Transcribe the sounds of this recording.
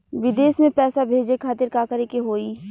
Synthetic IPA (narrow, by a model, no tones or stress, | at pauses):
ʋɪd̪eːsmẽpɛːsabʱeːd͡ʒekʰaːt̪ɪɾkaːkəɾekeɦoːiː